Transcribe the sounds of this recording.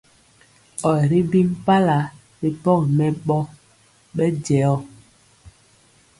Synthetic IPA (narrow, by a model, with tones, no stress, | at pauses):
ɔ˨ɾi˦bi˦ŋpa˦la˨˦ | ɾi˨pɔ˦˨kmɛ˨ɓɔ˦ | ɓɛ˦d͡ʒɛ˨˦ɔ˦˨